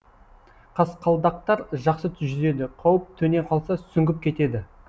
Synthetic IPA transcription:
qʰɑsqʰɑlˠd̪ɑq̚t̪ɑɾʒɑqsət̪ʰʏʒʏze̞d̪ɪqʰɑwəp̚t̪ʰɵne̞qʰɑlˠsɑt̪sʏŋɡʲɪp̚kʲʰe̞t̪e̞d̪ɪ

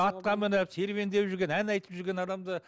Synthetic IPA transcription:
ɑt̪̚qɑmɪnəpse̞ɾβe̞nd̪e̞wʒʏɾɡʲe̞nænɑjt̪ə̥pʒʏɾɡʲe̞nɑd̪ɑmd̪ə

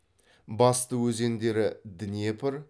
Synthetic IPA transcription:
bɑst̪əwɵze̞nd̪e̞ɾɪd̪ɪnije̞pʰɪɾ

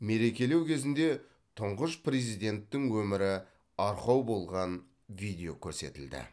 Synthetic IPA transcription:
me̞ɾe̞kʲe̞le̞wkʲʰe̞zɪnd̪e̞ | t̪ʰʊɴʁəʃprezijd̪ʲe̞nt̪ːɪŋwɵmɪɾɪ | ɑɾqɑwbo̞lˠʁɑn | vʲijd̪ʲe̞o̞kʲʰɵɾse̞̰t̪ɪld̪ɪ̰

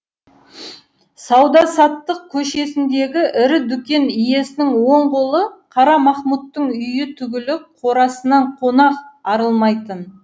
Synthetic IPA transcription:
sɑwd̪ɑsɑt̪ːəq̚kʲʰɵʃe̞sɪnd̪e̞ɡʲɪʔɪɾɪd̪ʏkʲe̞nʏje̞sɪnɪŋwo̞ɴqolˠəqʰɑɾɑmɑχmut̪ːəɴʏjɪt̪ʰʏɡʲɪlɪqʰo̞ɾɑsənɑɴqʰo̞nɑqɑɾəlˠmɑjt̪ən

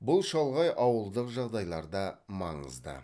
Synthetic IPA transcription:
bʊlˠʃɑlˠʁɑjʔɑwəlˠd̪əqʒɑʁd̪ɑjlˠɑɾd̪ɑmɑ̰ɴə̰zd̪ə̰

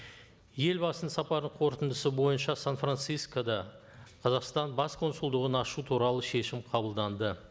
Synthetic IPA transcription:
je̞lbɑsənsɑpɑɾd̪əɴqʰo̞ɾt̪ənd̪əsəbo̞jənʃɑsanfrant̪sijskod̪ɑ | qʰɑzɑqst̪ɑnbɑsqʰo̞nsʊlˠd̪əʁənɑʃut̪ʰuɾɑlˠəʃe̞ʃɪmqʰɑbəlˠd̪ɑnd̪ə

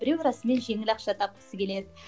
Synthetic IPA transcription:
bɪɾewɾɑsəme̞nʒe̞ŋɪlɑqʃɑt̪ʰɑp̚kʲʰɪ̥sɪkʲʰe̞led̪ɪ

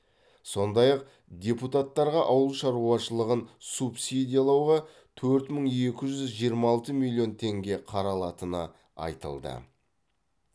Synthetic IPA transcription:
so̞nd̪ɑjɑq̚ | d̪ʲe̞put̪at̪ːɑɾʁɑʔɑwəlˠʃɑɾuɑʃəlˠəʁənsupsid̪ʲijalˠɑwʁɑ | t̪ʰɵɾt̪məɴe̞kʲɪʒʏzʒijəɾmɑɑlˠt̪əmilʲˠːijo̞nt̪ʰe̞ŋɡʲe̞qʰɑɾɑlˠɑt̪ənə̰ | ɑ̰jt̪ə̰lˠd̪ə̰

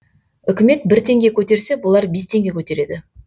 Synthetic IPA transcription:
ʏkʲɪme̞t̪̚bɪɾt̪ʰe̞ŋɡʲe̞kʲʰɵt̪e̞ɾse̞bʊlˠɑɾbe̞st̪ʰe̞ŋɡʲe̞kʲʰɵt̪e̞ɾe̞d̪ɪ

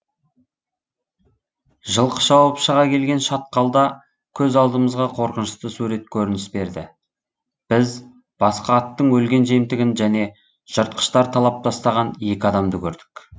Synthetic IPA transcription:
ʒəlˠqə̥ʒɑwɑpʃəʁɑkʲʰe̞lɡʲe̞nʃɑt̪̚qɑlˠd̪ɑ | kʲʰɵzɑlˠd̪əməzʁɑqʰo̞ɾqənʃə̥st̪əsuɾe̞t̪̚kʲʰɵɾɪnɪsbe̞ɾd̪ɪ̰ | b̥ɪz | b̥ɑsqɑːt̪ːəɴwɵlɡʲe̞nʒemt̪ɪɡʲɪnʒæne̞ | ʒ̥əɾt̪̚qə̥ʃt̪ɑɾt̪ʰɑlˠɑp̚t̪ɑst̪ɑʁɑne̞kʲɪɑd̪ɑmd̪əkʲʰɵɾd̪ɪ̥k

